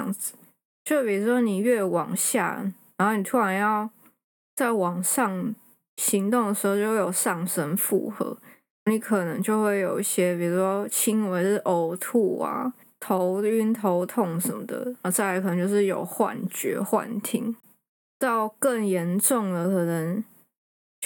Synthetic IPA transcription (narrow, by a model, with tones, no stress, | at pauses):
ŋd͡z̩˨˩ | t͡ɕjo˥˧ʊʂpi˨˩u˥ʂwɔ˥ni˨˩ɥɛ˥˩wɑ̰˨˩ŋɕja̰˥˩na˧˥nxo˥˩ʊni˨˩t̪ʰu˦˥ɻa˧˥njɑ˥˧ʊ | t͡sa˥˩ɪwɑ˨˩ŋʂɑ˥˩ŋ | ɕi˧˥ŋt̪ʊ˥˩ŋd̪ə˩ʂɻ̩˧˥o˥˧ʊt͡ɕo˥˧wjo˨˩ʂɑ˥˩ŋʂə˥nfṵ˥˩xɤ̰˧˦ | ni˧˥kʰɤ˨˩nə˧˥ŋt͡ɕjo˥˧ʊxwe˥˩ɪjo˨˩ʊi˥˩ɕjɛ˥pi˨˩u˧˥ʂwɔ˥t͡ɕʰi˥ŋwe˧˥ɪ˥˩ʔo˧˥ʊt̪ʰu˥˩a̰˩ | t̪ʰo˧˦˥ʊy˥nt̪ʰo˧˥ʊt̪ʰo˥˩ŋʂə˧˦mə˧d̪ə̰˨˧˩t͡sa˥˩a˧˥k̪ʰŋt͡ɕjo˥˧ʊʂɻ̩˥˩jo̰˨˩ʊxwa̰˥˨˩nt͡ɕɥɛ̰˧˥xwa̰˥˨˩nt̪ʰḭ˥˩ŋ | tɑ˥˧ʊkə˥˩ŋjɛ˧˥nʈ͡ʂʊ˥˩ŋd̪ə˩kʰɤ˨˩nə˧˦ŋ